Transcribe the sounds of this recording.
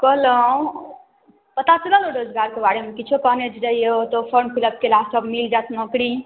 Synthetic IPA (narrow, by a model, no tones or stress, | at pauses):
kəɦlə̃ | pət̪at͡ʃələlõɾod͡ʒɡaɾkebaɽemekit͡ʃʰupəned͡ʒɾəɦijeot̪ɔpʰəɳpʰiləb̚kelasəbmild͡ʒat̪ʰmə̃kɽi